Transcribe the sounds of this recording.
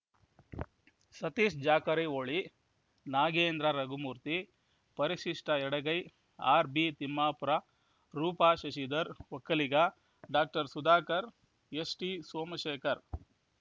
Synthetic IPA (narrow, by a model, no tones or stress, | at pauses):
sɐt̪iːʂd͡ʒaːkɐɾɐjoːɭi | naːɡeːnd̪ɾaɾɐɡumuːɾt̪i | pɐɾiʃiʂʈɐɛɽɐɡɐj | aːɾbit̪imːaːpuɾa | ɾuːpaːʃɐʃid̪ɐɾɔkːɐliɡɐ | ɖaːk̚ʈɐɾsud̪aːkɐɾ | esʈisoːmɐʃeːkɐɾ